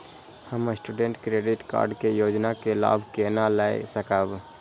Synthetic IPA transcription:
həmsʈuɖẽɳʈkɾeːɖɪʈka̰ːɾɖkejoːd͡ʒnakela̰ːbʱkenalaesəkəb

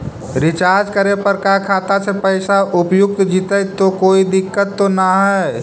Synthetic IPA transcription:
ɾɪt͡ʃaːɾd͡ʒkəɾepəɾkakʰaːt̪asepəɪsaʔʊpjʊk̚t̪d͡ʒit̪ət̪okoːid̪ɪkːət̪ːonaɦɛ

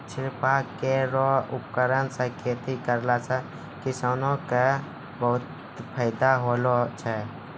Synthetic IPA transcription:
t͡ʃʰɪɾpakeɾɔʊpkəɾənsə̃kʰet̪ʰikəɾlasə̃ | kisaːnõke | bəɦʊt̪ | pʰəɪd̪aɦolot͡ʃʰɛ

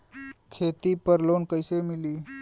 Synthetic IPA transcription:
kʰet̪ipəɾlonkəjsemili

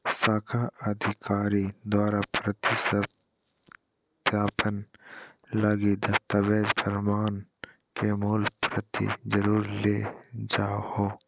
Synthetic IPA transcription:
saːkʰaəd̪ʱɪkʰaːɾid̪waːɾapɾət̪isəb | t̪jaːpən | laɡid̪əst̪aːbeːd͡ʒpʰəɾmaːn | kemuːlpɾət̪ḭd͡ʒəɾuːɾleːd͡ʒaːhoː

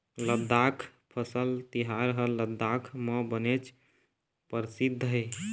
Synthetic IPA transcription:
ləd̪ːakʰpʰəsəlt̪iɦaɾəɦəlːəd̪ːakʰməbənet͡ʃʰ | pəɾsid̪ʱːj

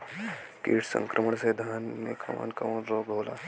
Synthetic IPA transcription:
kiːʈʰsə̰̃ŋkɾʔəməɳsed̪ʱanmḛkʰəʋa̰nkʰəʋunɾoːɡɦola̰

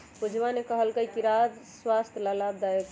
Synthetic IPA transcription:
pud͡ʒʱʋanekəɦəlkəjkiɾad̪swast̪ʰləlab̚d̪ajek

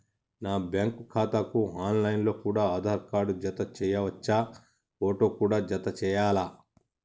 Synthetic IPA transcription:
naːbjaŋkukʰaːt̪akuaːnlɐjnlo̞ːkuːɽaːaːd̪ʱaːɾkaːɖud͡ʒɐt̪ɐt͡ʃɛːjɐʋɐt͡ʃːa | foːʈo̞ːkuːɽaːd͡ʒɐt̪ɐt͡ʃɛːjaːla

